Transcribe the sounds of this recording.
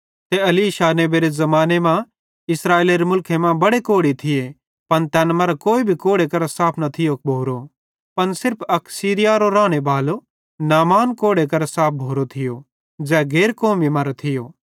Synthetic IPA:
t̪eɐliːʃaːneːbeːɾezɐmaːnemã | ɪsɾaːeːleɾemʊlkʰemãbɐɽekoːɽit̪ʰɪje | pɐnt̪ɛːnmɐɾakoːibʱikoːɽekɐɾsaːpʰnɐt̪ʰɪjok̚bʱoːɾo | pɐnsɪɾpʰɐksiːɾɪjaɾoɾaːɽ̃ebaːlo | naːmaːnkoːɽekɐɾsaːp̚ʰbʱoːɾot̪ʰɪjo | d͡ʒɛːɡeːɾkoːmimɐɾt̪ʰɪjo

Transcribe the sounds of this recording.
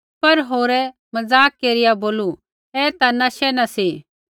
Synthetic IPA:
pɐɾɦoːɾɛ | mɐd͡zaːkːeːɾɪjaboːlu | ɛːt̪anaʃɛnɐsi

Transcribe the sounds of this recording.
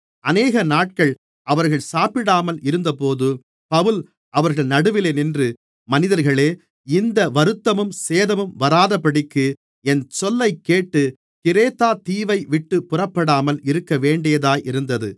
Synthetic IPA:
ʔɐneːɣɐnaːʈ̚kɐɭ | ɐʋɐɾɣɐɭsaːpɪɽaːmɐlɪɾɯnd̪ɐpoːðɯ | pɐʋɯl | ʔɐʋɐɾɣɐɭnɐɽɯʋɪleːnɪndrɯ | mɐnɪðɐɾɣɐɭeː | ɪnd̪ɐʋɐɾɯt̪ːɐmɯmseːðɐmɯmʋɐɾaːðɐpːɐɽɪkːɯ | ɛnt͡ʃɔlːɐɪkːeːʈːɯ | kɪɾeːt̪aːt̪iːʋɐɪʋɪʈːɯpʊrɐpːɐɽaːmɐlɪɾɯkːɐʋeːɳɖɪjɐðaːjʔɪɾɯnd̪ɐðɯ

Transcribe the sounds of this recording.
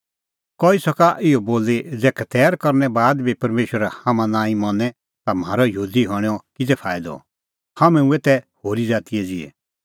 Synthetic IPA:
kɔisɐkaʔɪɔboːled͡zɛːkɛt̪ɛːɾkɔɾnɛbaːd̪bipɐɾmeːʃəɾahamãnãːĩmɔ̃nɛ | t̪am̤aːɾɔjɦuːd̪iɦɔɽ̃ɛɔkɪd͡zɛpʰaːɪd̪ɔ̰ | hamɛ̃ũeːt̪ɛhoːɾid͡zaːt̪ijɛd͡zɪɛ̰

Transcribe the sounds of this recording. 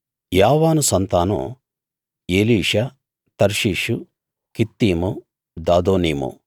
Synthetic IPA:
jaːʋaːnusɐnt̪aːnṵ | eːliːʂɐ | t̪ɐɾʂiːʂu | kit̪ːiːmu | d̪aːd̪oːniːmṵ

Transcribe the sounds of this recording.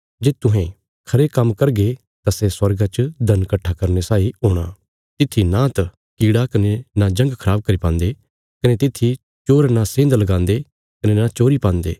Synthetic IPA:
d͡ʒeːt̪ʊɦẽ | kʰɐɾekɐmːkɐɾɡe | t̪asɛːswɐɾɡat͡ʃəd̪ʱɐnkɐʈʰːakɐɾnesaːiɦoːɽ̃aː | t̪ɪt̪ʰːinãt̪ɐ | kiːɽakɐnenad͡ʒɐ̃ŋɡkʰəɾaːb̚kɐɾipãːnd̪eː | kɐnet̪ɪt̪ʰːi | t͡ʃoːɾnasẽːnd̪lɐɡãːnd̪e | kɐnenat͡ʃoːɾipãːnd̪ḛː

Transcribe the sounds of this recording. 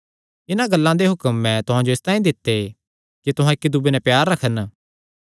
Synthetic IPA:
ɪnãɡɐlːãd̪eɦʊkəmːɛ̃t̪ʊɦãd͡ʒoɪst̪ãːĩd̪ɪt̪ːe | kit̪ʊɦãɪkːid̪ubenɛpjaːɾːɐkʰən

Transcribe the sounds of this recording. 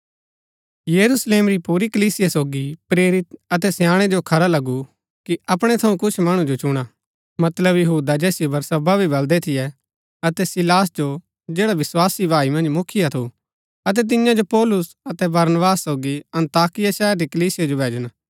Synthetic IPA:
jɐɾusleːmɾipuːɾikəliːsɪjasoːɡipɾeːɾɪt̪ɐt̪ɛsjãːɽ̃ɛd͡ʒokʰɐɾalɐɡu | kiɐpɽ̃ɛt̪ʰɐũkʊt͡ʃʰmɐɽ̃ũd͡ʒot͡ʃʊɽ̃a | mɐt̪ləbjɐɦuːd̪ad͡ʒɛːsɪjobɐɾsɐbabʱibɐld̪ɛt̪ʰɪjɛ | ɐt̪ɛsɪlaːsd͡ʒo | d͡ʒeːɽaʋɪswaːsibʱaːimɐ̃nd͡ʒmʊkʰɪjat̪ʰu | ɐt̪̬ɛt̪̬ɪjãd͡ʒopɔːlʊs | ɐt̪ɛbɐɾnəbaːsːoːɡiɐ̃nt̪aːkɪjaʃɛːəɾːikɐliːsɪjad͡ʒobʱeːd͡ʒñaː

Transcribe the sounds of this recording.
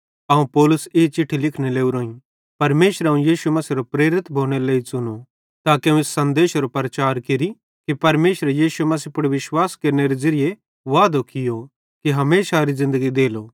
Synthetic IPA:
ɐũpɔːlʊseːt͡ʃɪʈʰːilɪkʰneleːuɾoːĩ | pɐɾmeːʃɾɐũjiːʃumɐsiːɾopɾeːɾɪt̪bʱoːɽ̃eleːisʊno | t̪aːkiɐ̃ũesːɐ̃nd̪eːʃɾopɾɐt͡ʃaːɾkɪɾi | kipɐɾmeːʃɾejiːʃumɐs̬iːpʊɽʋɪʃwaːskeːɾneɾezɐɾije | ʋaːd̪okɪjo | kiɦɐmeːʃaɾizɪ̃nd̪əɡid̪eːloː

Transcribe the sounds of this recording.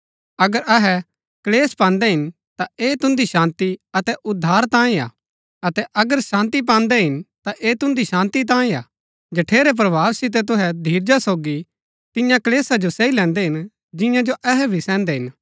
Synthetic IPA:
ɐɡəɾɐɦɛ | kɐleːspãːnd̪ɛɦɪn | t̪aeːt̪ʊ̃nd̪iʃãːnt̪iɐt̪ɛʔʊd̪ʱːaːɾt̪ãːĩa̰ː | ɐt̪ɛʔɐɡəɾʃãːnt̪ip̬ãːnd̪ɛɦɪnt̪aʔeːt̪ʊ̃nd̪iʃãːnt̪it̪̬ãːĩa̰ː | d͡ʒɐʈʰeːɾɛp̬ɾɐʋʱaːʋsɪt̪̬ɛt̪̬ʊɦɛd̪ʱiːɾd͡ʒasoːɡi | t̪ɪjãkɐleːsad͡ʒosɛilɛ̃ːnd̪ɛɦɪn | d͡ʒɪ̃jãd͡ʒoʔɛɦɛbʱisɛ̃ːnd̪ɛɦɪn

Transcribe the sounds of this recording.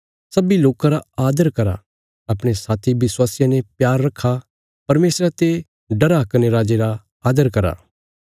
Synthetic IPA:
sɐbiloːkãɾaaːd̪əɾkɐɾa̰ː | ɐpɽ̃esaːt̪ʰibɪswaːsɪjãnepjaːɾːɐkʰːa | pɐɾmeːsɾat̪e | ɖɐɾakɐneɾaːd͡ʒeɾa | aːd̪əɾkɐɾa̰ː

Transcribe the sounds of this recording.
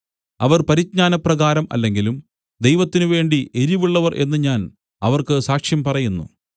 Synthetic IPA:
ɐʋɐrpɐɾit͡ɕɲaːnɐprɐɣaːɾɐmɐ̰lːe̞ŋɡilum | d̪e̞jʋɐt̪ːinɨʋe̞ːɳɖiʔe̞ɾiʋiɭːɐʋɐrʔe̞̰nːɨɲaːn | ɐʋɐrkɨsaːkʂjɐmpɐrɐjunːṵ

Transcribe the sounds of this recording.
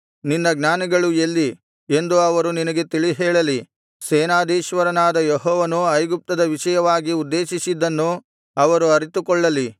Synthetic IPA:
ninːɐɡnaːniɡɐɭuelːi | e̞nd̪uɐʋɐɾuninɐɡe̞t̪iɭiɦɛːɭɐli | seːnaːd̪iːʃʋɐɾɐnaːd̪ɐjeɦɔːʋɐnuɐjɡup̚t̪ɐd̪ɐʋiʃɐjɐʋaːɡiud̪ːeːʃisid̪ːɐnːu | ɐʋɐɾuɐɾit̪ukɔɭːɐli

